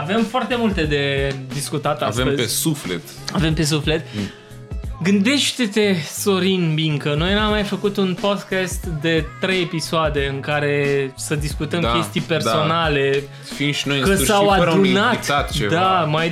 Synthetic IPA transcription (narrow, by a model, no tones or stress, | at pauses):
ave̞mfoart̪e̞mult̪e̞d̪e̞d̪iskut̪at̪asveəzpesuflet̪ | ave̞mpe̞s̬ufle̞t̪ | ɡɨnd̪e̞ʃt̪et̪e̞so̞ɾinbiŋkəno̞jnamːajfəkut̪unpo̞d̪kast̪d̪e̞t̪ɾe̞jepisoad̪e̞ɨŋkaɾe̞səd̪iskut̪əmkje̞st̪ijpe̞rso̞nale̞ | fimʃinojkəsawadounat̪at̪t͡ʃed̪amaj